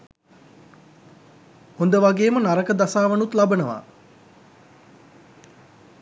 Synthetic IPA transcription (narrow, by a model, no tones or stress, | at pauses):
hond̪əʋaɡeːmənaɾəkəd̪asaːʋənut̪labənəʋa̰ː